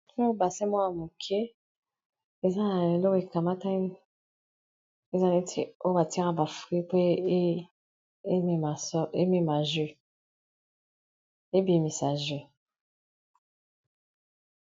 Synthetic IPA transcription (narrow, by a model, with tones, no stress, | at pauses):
ɔ̃˦˨ba˨sɛ˦mwa˦a˨mu˨kʰe˦ | e˨za˦na˨e˨lo˦ke˨ka˨ma˦ta˦ŋ˦ | e˦za˦ne˨tɛ˨o˦ka˨tɛ˦ŋa˨ba˨fi˦pe˦˨ | a˨sɔ˦e˦me˦˨ma˨ʒe˦ | e˦be˨mi˨sa˨ʒe˨